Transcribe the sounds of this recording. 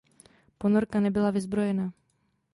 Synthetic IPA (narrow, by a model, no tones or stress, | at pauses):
po̞no̞ɾkanɛbɪlavɪzbɾo̞jɛna